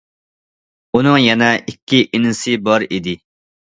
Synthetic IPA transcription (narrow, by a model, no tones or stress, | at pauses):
unɨŋjɛnɛʔikʲʰːiʔinɪsɨbɑɾid̪ɪ